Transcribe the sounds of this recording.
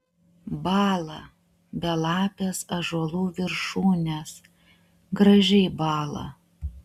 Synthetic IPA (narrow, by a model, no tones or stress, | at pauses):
bɑːlˠɐ | bʲɛlˠɑːpʲesɐʒuɔlˠuːʋʲɪɾʃuːnʲes | ɡɾɐʒʲɛɪbɑːlˠɐ̰